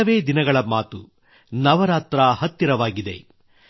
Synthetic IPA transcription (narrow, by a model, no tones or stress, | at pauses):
ɐʋe̞ːd̪inɐɡɐɭɐmaːt̪u | nɐʋɐɾaːt̪ɾaːhɐt̪jɐɾɐʋaːɡid̪e̞̰